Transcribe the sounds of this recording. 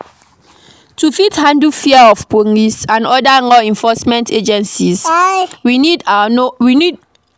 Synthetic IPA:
tufithãndufiaɔfpoŋisãnɔdaŋɔɛ̃nfɔsmɛ̃ntʰed͡ʒɛ̃nsiswinidnowinid

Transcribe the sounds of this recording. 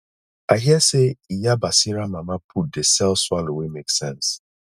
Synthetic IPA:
aɪɦiɛseijabasiɾamamapʰut̚desɛlswalowemeksɛ̃ns

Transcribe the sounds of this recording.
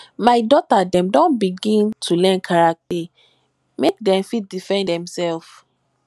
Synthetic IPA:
maɪdɔtadɛ̃mdɔ̃nbiɡĩntʰulɛ̃nkʰaɹak̚tɛ | mek̚dɛ̃mfit̚difɛ̃ndɛ̃msɛlf

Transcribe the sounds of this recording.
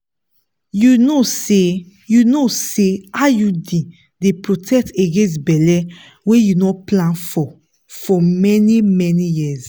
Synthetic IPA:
junose | junoseajudĩ | depɹotʰɛk̚teɡẽns̬bɛlɛ | wejunoplãnfɔ | fɔmɛnimɛnijiz

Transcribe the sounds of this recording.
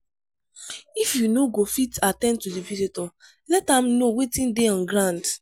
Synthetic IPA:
ifjunoɡofitatɛ̃n̚tudivizitɔ | lɛtãmnowetĩndeɔ̃nɡɾãnd

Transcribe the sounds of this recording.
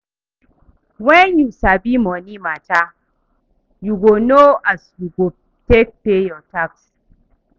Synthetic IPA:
wɛnjusabimɔnimata | juɡonoasjuɡo | tek̚pejɔtaks

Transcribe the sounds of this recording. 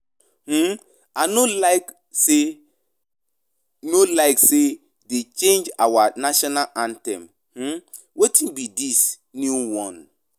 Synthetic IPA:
h̩ | anolaɪk | se | nolaɪkse | det͡ʃẽnd͡ʒawanaʃɔnalʔãntɛ̰̃m | hm̩ | wetʰĩnbidis | nuwɔ̃n

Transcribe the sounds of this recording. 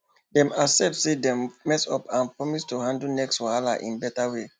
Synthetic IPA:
dɛ̃masɛp̚tsedɛ̃mmɛsɔpãnpɹɔmistuhãndlnɛkswalaʔḭ̃nbɛtawe

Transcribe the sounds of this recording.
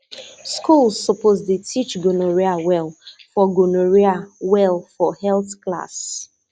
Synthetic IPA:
skulˠzːɔpoztutʰit͡ʃɡonoɹiawɛlˠfɔɡonoɹiawɛlˠfɔhɛlˠθkla̰s

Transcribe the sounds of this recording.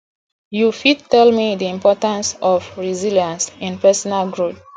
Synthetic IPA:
jufid̚tɛlmidiĩmpɔtãnsɔfɹiziljãnsĩnpɛsɔnalɡɹot

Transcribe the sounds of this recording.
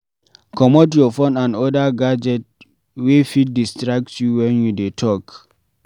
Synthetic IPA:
kɔmotjɔfõnãndɔdaɡad͡ʒɛt̚ | wefit̚distɾak̚tsjuwɛ̃njudetʰɔk

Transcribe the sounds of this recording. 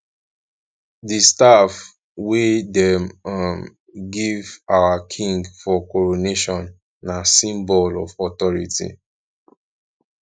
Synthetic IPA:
distaf | wedɛmm | ɡivawakʰĩŋɡfɔkɔɹoneʃɔ̃nː | asĩmbɔlɔfɔtɔɹitḭ

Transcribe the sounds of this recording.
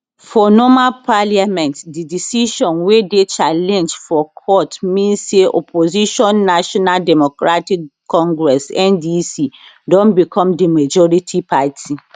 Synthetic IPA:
fɔnɔmalpʰaliamɛ̃ntdidisiʃɔ̃nwedet͡ʃʰalɛ̃nd͡ʒfɔkʰɔtmĩnseʔɔ̰pʰoziʃɔ̃nːaʃɔnaldɛmɔkɾatikʰːɔ̃ŋɡɾɛsɛ̃ndisi | dɔ̃nbikʰɔ̃mdimad͡ʒɔɾitʰipʰatʰi

